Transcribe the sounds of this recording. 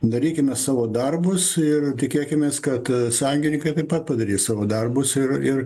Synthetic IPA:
d̪ɐɾʲiːkʲɪmʲɛssɑːʋoːd̪ɐrbʊsɪrt̪ʲɪkʲeːkʲɪmʲeːskɐt̪sɑjŋʲɡʲɪnʲɪŋkɐɪt̪ɐɪpɐt̪̚pɐd̪ɐɾʲiːssɑːʋoːd̪ɐrbʊsɪrɪr

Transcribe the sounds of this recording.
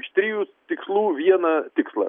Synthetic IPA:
ʃt̪ʲɾʲijut̪ʲɪkslˠuːʋʲiɛnɐt̪ʲɪkslˠɐ̰

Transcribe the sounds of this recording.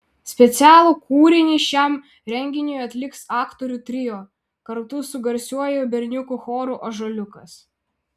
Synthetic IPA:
sʲpʲɛt̪sʲæːlˠuːkuːɾʲɪnʲiʃʲɛm | ɾʲɛŋʲɡʲɪnʲʊjɐt̪ʲlʲɪksɑːkt̪ɔɾʲuːt̪ʲɾʲɪjoː | kɐɾt̪ʊsʊɡɐɾʲsʲuɔjobʲɛɾʲnʲʊkʊxoːɾuˑʔɐʒolʲʊkɐs

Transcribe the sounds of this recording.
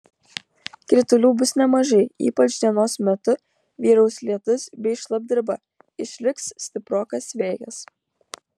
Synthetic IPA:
kɾʲɪt̪ʊlʲuːbʊsnʲɛmɐʒɐɪḭːpɐt͡ʃd̪ʲiɛnoːsmʲɛt̪ʊ | ʋʲiːɾɐʊsʲlʲiɛt̪ʊsbʲɛɪʃlˠɐb̚ʲd̪ʲɪɾbɐ | ɪʃʲlʲɪkssʲt̪ʲɪpɾoːkɐsʋʲeːjɐ̰s

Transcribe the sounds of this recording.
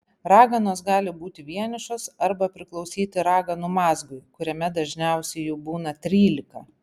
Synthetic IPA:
ɾɑːɡɐnoːsɡɑːlʲɪbuːt̪ʲɪʋʲiɛnʲɪʃoːsɐɾbɐpʲɾʲɪklˠɒʊsʲiːt̪ʲɪɾɑːɡɐnumɑːzɡʊɪkʊɾʲɛmʲɛd̪ɐʒʲnʲɛʊsʲɛɪjɛʊbuːnɐt̪ʲɾʲiːlʲɪkɐ

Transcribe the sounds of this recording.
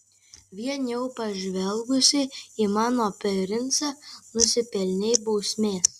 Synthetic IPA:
ʋʲiɛnʲjɛʊpɐʒʲʋʲɛlˠɡʊsʲɪimɑːnoːpʲɛɾʲɪnt̪sɑːnʊsʲɪpʲɛlʲnʲɛɪbɔʊsʲmʲeː

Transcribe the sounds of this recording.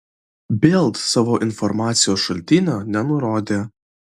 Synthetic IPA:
bʲeːlˠt̪sɑːʋoːʔɪnfɔɾmɑːt̪sʲɪjoːsʃɐlʲt̪ʲiːnʲonʲɛnʊɾoːd̪ʲeː

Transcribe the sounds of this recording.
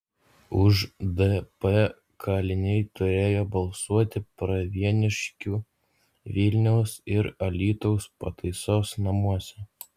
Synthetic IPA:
ʊʒd̪ɛpɛ | kʰɑːlʲɪnʲɛɪt̪ʊɾʲeːjoːbɐlˠsuɔt̪ʲɪpɾɐʋʲiɛnʲɪʃʲkʲuː | ʋʲɪlʲnʲɛʊsɪɾɐlʲiːt̪ɔʊspɐt̪ɐɪsoːsnɐmuɔsʲɛ

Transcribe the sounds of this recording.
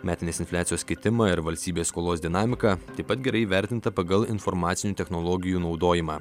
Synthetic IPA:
mʲæːt̪ʲɪnʲeːsɪnfʲlʲæːt̪ʲɪjoːsʲkʲɪt̪ʲɪmɐɪɾʋɐlʲst̪ʲiːbʲeːsskoːlˠoːsd̪ʲɪnɑːmʲɪkɑːt̪ɐɪpːɐt̪ɡʲɛɾɐɪiʋʲæɾʲt̪ʲɪnt̪ɐpɐɡɐlˠɪnfɔɾmɑːt̪sʲɪnʲuːt̪ʲɛxnolˠɔɡʲɪjuːnɒʊd̪oːjɪmɑː

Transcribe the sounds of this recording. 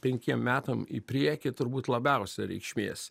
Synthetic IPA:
pʲɛŋʲkʲiɛmmːʲæːt̪ɐmḭːpʲɾʲiɛkʲɪt̪ʊɾbuːt̪lˠɐbʲæˑʊsʲɛɾʲɛ̰ɪkʃʲmʲeːsʲ

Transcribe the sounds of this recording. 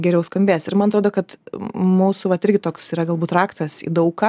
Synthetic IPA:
ɡʲɛɾʲɛʊskɐmʲbʲeːsɪɾmɐnɐt̪ɾoːd̪oːkɐt̪muːsuʋɐt̪ɪɾʲɡʲɪt̪oːksiːɾɐɡɐlˠbuːt̪ɾɑːkt̪ɐsḭːd̪ɐʊkɑ

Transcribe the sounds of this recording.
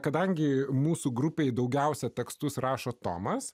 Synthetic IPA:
kɐd̪ɐŋʲɡʲɪmuːsuːɡɾʊpʲeːjd̪ɒʊɡʲɛʊsʲɛt̪ʲɛkst̪ʊsrɑːʃoːt̪o̰ːmɐs

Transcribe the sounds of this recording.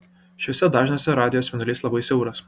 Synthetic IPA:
ʃʲɔsʲɛd̪ɑːʒʲnɐsʲɛɾɑːd̪ʲɪjoːsʲʋʲɛnɐlʲiːslˠɐbɐɪsʲɛʊɾɐs

